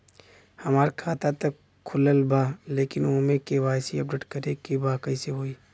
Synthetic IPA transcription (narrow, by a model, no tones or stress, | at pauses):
hɐmaːɾkʰaːt̪at̪ɐk | kʰːʊləlbaːleːkɪnoːmẽkeʋaːjsiɐp̚ɖeːʈkɐɾekibaːkəiseɦoːiː